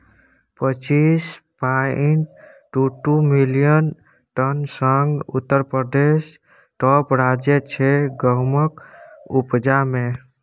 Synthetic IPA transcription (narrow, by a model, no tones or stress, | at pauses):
pət͡ʃispainʈ | ʈuʈumilijən | ʈənsəŋɡṵt̪ːəɾpɾəd̪es | ʈɔpɾad͡ʒjet͡ʃʰɛɡəɦməkupd͡ʒame